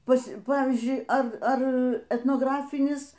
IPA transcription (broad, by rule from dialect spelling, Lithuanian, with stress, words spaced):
ˈpɐs ˈpɑːʋʲiːzʲd͡ʒʲʊɪ ˈɐr ˈɐr ɛtnoːɡrɐˈfʲɪnʲɪs